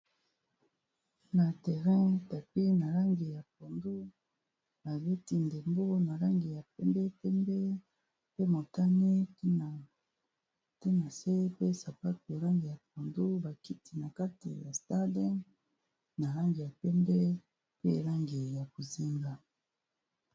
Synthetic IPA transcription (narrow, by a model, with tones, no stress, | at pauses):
na˨tɛ˨ʁɛ̃˦ta˨pi˦na˨la˦ŋɡi˨ja˨p̚o˨ndo˦ | ba˨be˦ti˦nde˨mbo˦na˨la˦ŋɡi˨ja˨pɛ˦mbɛ˦pɛ˦mbɛ˦ | pe˦mo˨ta˦ni˦˨ | te˦na˨se˦pe˦sa˨pa˦tu˨e˨la˦ŋɡi˨ja˨p̚o˨ndo˦ba˨ki˦ti˨na˨ka˦ti˨ja˨sta˦dɛ˦ | na˨la˦ŋɡi˨ja˨pɛ˦mbɛ˦ | pe˦˨la˦ŋɡi˨ja˨ko˨zi˦ŋɡa˦